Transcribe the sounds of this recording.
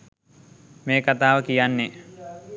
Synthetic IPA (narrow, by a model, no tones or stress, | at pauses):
meːkat̪aːʋəkijanːe